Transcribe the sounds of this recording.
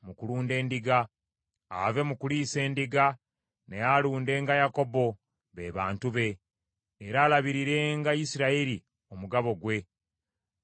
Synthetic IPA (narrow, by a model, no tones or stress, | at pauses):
mukuluːnde̞ːndiɡa | a̰ve̞mukuliːse̞ːndiɡa | ne̞jaluːnde̞ːŋɡajako̞bo̞ | βe̞ːβaːntuβe̞ː | ɾaːlaβiɾiɾe̞ŋɡajisiɾaeɾi | omuɡaβo̞ɡwe̞